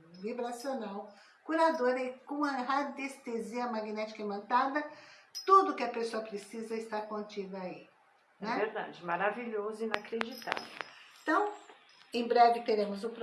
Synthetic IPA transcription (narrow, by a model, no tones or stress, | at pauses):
vibɾasionaw | kuɾad̪oɾɪkõɐɦad̪est̪eziɐmaɡinɛt͡ʃi̥kɐimɐ̃nt̪ad̪ɐt̪ud̪ʊkɪɐpesoɐpɾesizɐɪst̪aɾkõnt͡ʃid̪ɐai | nɛɛveɾd̪a̰d͡ʒɪmaɾaviʎozʊĩnakɾed͡ʒit̪a̰vẽt̪ɐ̃w̃ | ẽbɾɛvɪt̪eɾẽmʊzʊ̃pɾ